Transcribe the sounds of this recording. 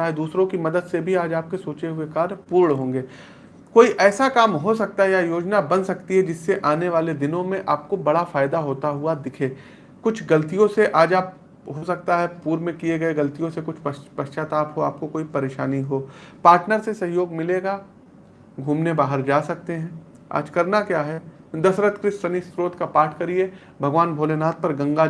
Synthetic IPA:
aɦɛd̪uːsɾõkimɐd̪əd̪sebʱiaːd͡ʒaːp̚kesoːt͡ʃeɦʊekaːɾpuːɾɳɦõːŋɡeː | koːiʔɛːsakaːmɦos̬ɐk̚t̪aɦɛjajoːd͡ʒnabɐ̃nsɐkt̪iɦɛd͡ʒɪsːeʔaːneʋaːled̪ɪnõmẽʔaːp̚kobɐɽafaːɪd̪aɦoːt̪aɦʊad̪ɪkʰeː | kʊt͡ʃʰɡɐlt̪ijõseʔaːd͡ʒaːp̚ | ɦosɐk̚t̪aɦɛpuːɾmẽkieɡɐeɡɐlt̪ijõsekʊt͡ʃʰpɐʃt͡ʃaːt̪aːpɦoaːp̚kokoːipɐɾeːʃa̰ːniɦoːpaːɾʈnəɾsesɐɦjoːɡmɪleːɡa | ɡʱuːmnebaːɦəɾd͡ʒaːsɐk̚t̪eɦɛ̃ː | a̰ːd͡ʒkɐɾnakjaːɦɛd̪ɐsɾət̪kɾɪsɐnisɾoːt̪kapaːʈʰkɐɾie | bʱɐɡʋaːnbʱoːlenaːt̪̚pɐɾɡɐ̃ŋɡa

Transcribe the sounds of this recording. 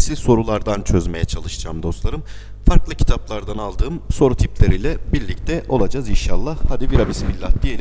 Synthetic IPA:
silʲso̞ɾulˠaɾd̪ant͡ʃʰø̞zme̞jɛt͡ʃʰalˠɯʃɯd͡ʒa̰ːmd̪o̞st̪lˠaɾɯm | faɾklˠɯcʰi̥t̪ʰaplˠaɾd̪analˠd̪ɯːmso̞ɾut̪ʰiplʲeɾijlʲɛbiɾlʲic̚t̪ʰɛʔo̞̰lˠad͡ʒaːzinʃalˠːahad̪iviɾabisimilʲːat̪̚d̪ijelʲ

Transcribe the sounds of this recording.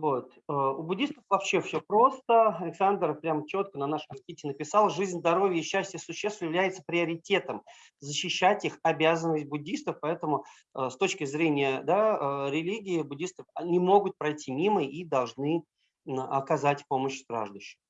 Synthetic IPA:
vot̪ | əʊbʊdʲːist̪əfvɐpɕːe̞fsʲɵpɾo̞st̪əɐlʲɪksand̪rpɾʲamt͡ɕo̞t̪̚kənɐnaʂəmʲtʲitʲɪnəpʲɪsɑlˠʐɨzʲnʲzd̪ɐɾo̞vʲjəɕːæsʲtʲjəsʊɕːest̪vəjɪvlʲæjɪt̪sə̥pɾʲɪɐɾʲɪtʲe̞t̪əm | zəɕːɪɕːætʲixɐbʲæzənəsʲt̚ʲbʊdʲːist̪əfpɐɛt̪əmʊ | əst̪o̞t͡ɕkʲɪzɾʲenʲɪjəd̪aɾʲɪlʲiɡʲɪɪbʊdʲist̪əfnʲɪmo̞ɡʊt̪̚pɾɐjtʲimʲiməid̪ɐlˠʐnɨ | ɐkɐzatʲpo̞məɕskɾa̰ʐd̪ʊɕːɪ̥m

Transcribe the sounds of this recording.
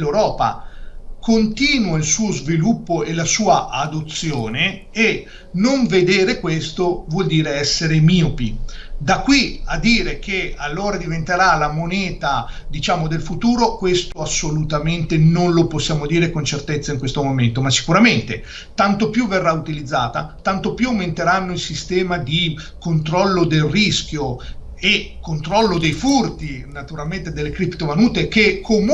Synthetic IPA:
lewɾɔːpa̰kont̪iːnwailsuːozvilupːoelasuːaʔad̪ot̪sːjoːneː | noɱved̪eːɾekwest̪ovwɔld̪iːɾeɛsːeɾemiːopid̪akːwiad̪ːiːɾek̟ʰealːoːɾad̪ivent̪eɾalamonɛːt̪a | d̪it͡ʃaːmod̪elfut̪uːɾokwest̪oasːolut̪ament̪enonloposːjaːmod̪iːɾekont͡ʃert̪et̪sːaiŋkwest̪omoment̪omasːi̥kuɾament̪e | t̪ant̪opjuvːerːaut̪ilid̪zːaːt̪at̪ant̪opjuawment̪eɾanːoilsist̪ɛːmad̪i | kont̪ɾɔlːod̪elriskʲjo | ekːont̪ɾɔlːod̪ejfurt̪inat̪uɾalment̪ed̪elːekɾipt̪ovanuːt̪ekekʰːom

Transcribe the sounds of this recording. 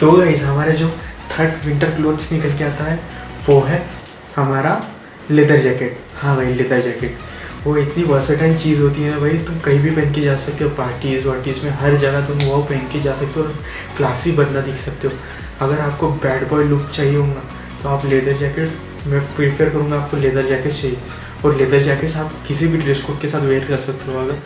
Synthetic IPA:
d̪̥oːɡɐɪd͡ʒɦɐmaːɾed͡ʒoːt̪ʰɐɾʈʋɪ̃ɳʈəɾploːd̪snɪkəlkeaːt̪aɦɛʋoɦɛ | hɐmaːɾa | leːd̪əɾd͡ʒɛːkeʈhãːbʱaɦileːd̪əɾd͡ʒɛːkeʈʋoɪt̪niʋɐɾsəʈãːɪmt͡ʃiːzɦoːt̪iɦɛbʱɐit̪ʊmkɐɦĩbʱipɛ̃ɦɛ̃ŋked͡ʒaːsɐk̚t̪eɦɔoːpaːɾʈizɔːɾʈiːzmẽɦɐɾd͡ʒəɡat̪ʊ̃mʋɐɦpɛ̃ɦŋked͡ʒaːsɐk̚t̪eɔːɾɐm | klaːsibɐnnad̪ɪkʰsɐk̚t̪eɦoː | ɐɡəɾaːp̚kobɛːɖbɔːɪlʊkt͡ʃaːɦieɦõːŋɡaː | t̪oaːpleːd̪əɾd͡ʒɛːkeʈ | mɛ̃ːpɾɪpʰəɾkɐɾũːŋɡaːp̚koleːd̪əɾd͡ʒɛːket͡ʃaːɦije | ɔːɾleːd̪əɾd͡ʒɛːkesaːpkɪsibʱiʈɾeːskʊːʈkesaːt̪ʰʋeːɾkɐɾsɐk̚t̪eɦoɐɡəɾ

